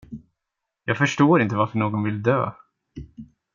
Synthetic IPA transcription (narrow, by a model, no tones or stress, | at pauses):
jɑːɡfœʂʈoːɾɪnt̪əvaɾfœɳoːɡɔnvɪld̪ø̰ː